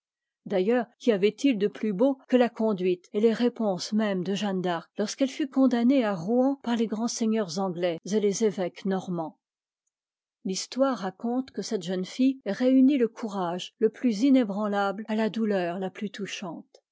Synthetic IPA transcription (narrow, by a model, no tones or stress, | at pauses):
d̪ajœːʁkʲiavɛt̪ild̪əplybokəlakɔ̃d̪ɥit̪eleʁepɔ̃smɛmd̪əʒɑ̃nd̪aʁlɔʁskɛlfykɔ̃d̪aneaʁuɑ̃paʁleɡʁɑ̃seɲœʁzɑ̃ɡlɛzelezevɛknɔʁmɑ̃ | list̪waʁːakɔ̃t̪kəsɛt̪ʒənfijʁeyniləkʰuʁaʒləplyzinebʁɑ̃lablalad̪ulœʁlaplyt̪uʃɑ̃t̪